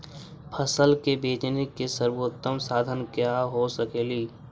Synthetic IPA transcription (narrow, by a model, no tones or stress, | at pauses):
pʰəsəlkebeːt͡ʃnekesəɾwoːt̪ːəmsaːd̪ʱənkjaɦosəkeːliː